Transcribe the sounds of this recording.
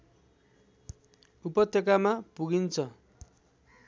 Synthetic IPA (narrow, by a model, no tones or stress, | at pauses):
upʌt̪ʰjʌkamapuɡint͡sʰʌ